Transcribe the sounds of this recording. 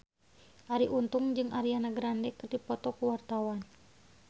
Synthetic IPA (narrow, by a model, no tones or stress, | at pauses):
ʔaɾiʔunt̪uŋd͡ʒɨŋʔaɾianaɡɾandɛkɨrdipɔt̪ɔkuwart̪awan